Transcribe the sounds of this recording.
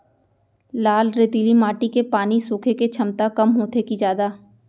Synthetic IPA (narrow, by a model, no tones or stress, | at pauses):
laːlɾet̪iːlimaːʈikepaːnisʊːkʰeket͡ʃʰɐmt̪akɐmɦoːt̪ekid͡ʒjaːd̪aː